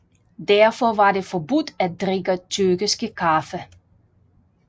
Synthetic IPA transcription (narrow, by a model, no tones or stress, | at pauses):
dɛɐfɔʋɑ̈de̝fɔbud̥æd̥ʁeɡət͡sʰyɐɡiskəkʰafə